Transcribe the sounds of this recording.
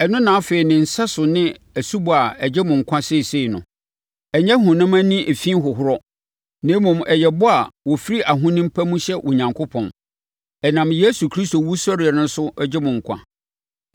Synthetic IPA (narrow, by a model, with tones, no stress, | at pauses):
ɛ˨nʊ̃˦nãː˨˦fe˨i˨nɪ̃˨n̩˨sa˦sʊ˨nɪ̃˦ | æ˨su˦bʊ˨a˨ɛ˨d͡ʑɛ˦mʊ̃˨ŋ̩˨kʷʰã˦se˦˨seː˦˨nʊ̰̃˨ | ɛ˨ɲɛ˦ɦʊ̃˨nʊ̃˦mã˦nĩ˦ʔe˨fĩ˦ɦʊ˨ɦʊ˦ɾɔ˦ | nẽ˨˦mũ˨mɛ˨jɛ˨bʊ˦a˨wɔ˨fi˦ɾi˦ʔa˨ɦʊ̃˦nɪ̃˦m̩˦pʰæ˦mũ˦ɕɛ˦ʔɔ˨ɲã˨ŋkʰʊ˦pʰɔ̰̃˨n | ɛ˨nã˨mje˦su˨kʰɾi˦sto˨wu˦sɔ˦ɾɪ˨ɛ˨nʊ̃˦n˦sʊ˦ɛ˦d͡ʑɛ˦mʊ̃˨ŋ̩˨kʷʰã̰˦